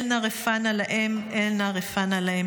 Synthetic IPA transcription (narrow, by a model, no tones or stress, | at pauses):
lnaʁefanalaʔemʔelnaʁefanalahem